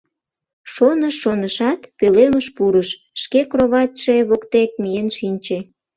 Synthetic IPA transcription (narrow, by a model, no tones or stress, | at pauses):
ʃonəʃːonəʃɑt̪peleməʃpuɾəʃ | ʃkekroβɑt̪ʃeβokt̪ek̚mijenʃinʲt͡ɕe